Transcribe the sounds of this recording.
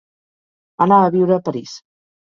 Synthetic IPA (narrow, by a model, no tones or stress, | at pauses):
ənaəβiwɾəːpəɾis